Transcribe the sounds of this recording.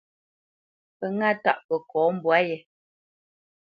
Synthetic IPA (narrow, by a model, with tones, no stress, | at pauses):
pə˨ŋa˦˨ta̰˦˨ʔpə˨kɔː˨˦m̩˦bwa˨˦jɛ˨